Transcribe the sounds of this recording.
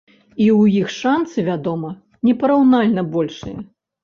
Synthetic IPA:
iwjixʂant̪sɨvʲad̪ɔmɐ | nʲɛpɐɾawnalʲnɐbɔlʲʂɨ̰jɐ̰

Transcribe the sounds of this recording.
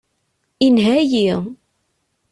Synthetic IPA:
inɦæjiʁ

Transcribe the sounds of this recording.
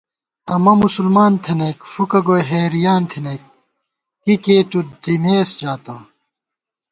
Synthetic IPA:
ɐmɐmusulmaːnt̪ʰeneːkfukɐɡojɦeːɾijaːnt̪ʰineːk̚ | kikeːt̪ud̪imeːsd͡ʑaːt̪ɐ

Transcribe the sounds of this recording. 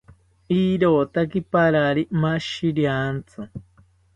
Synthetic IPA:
iɾoːt̪akipaɾaɾimaʃiɾjant͡sɨ

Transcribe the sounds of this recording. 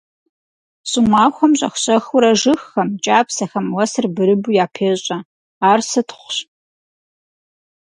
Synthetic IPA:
sʼumaːxʷɔmɕʼɐ̰xʷɕʼɐxʊɾɐʒɨxːɐmt͡ʃʼaːpsɐxɐmwɐsɨrbɨɾɨbujaːpʰeːɕʼɐ | aːrsɨtʰχʷɕ

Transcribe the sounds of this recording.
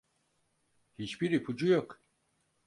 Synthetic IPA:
hit͡ʃbiɾipʰud͡ʒujok

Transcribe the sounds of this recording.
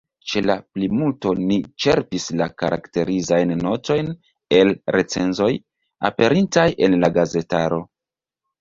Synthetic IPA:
t͡ʃe̞laplimulto̞nit͡ʃe̞ɾpislaka̰ɾʔa̰kte̞ɾizajnːo̞to̞jn | e̞lɾe̞t͡se̞̰nzo̞j | a̰pe̞ɾintajʔe̞nlaɡaze̞taɾo̞

